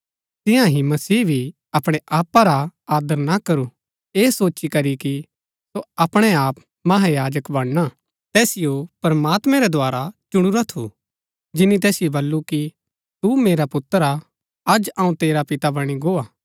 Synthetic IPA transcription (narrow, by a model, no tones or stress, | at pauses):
t̪ɪ̃jãɦimɐsiːbʱi | ɐpɽ̃ɛʔaːpːaɾaaːd̪əɾnakɐɾu | eːsoːt͡ʃikɐɾiki | soɐpɽ̃ɛaːp | mɐɦajaːd͡ʒəkbɐɽ̃na | t̪ɛːsɪjopɐɾmaːt̪mɛ̃ɾɛd̪ʱoaːɾat͡ʃʊɽ̃ʊɾat̪ʰo | d͡ʒɪnːit̪ɛːsɪjobɐlːuki | t̪umeːɾapʊt̪ːəɾa | ɐd͡ʒãːũt̪eːɾapɪt̪abɐɽ̃iɡoːaː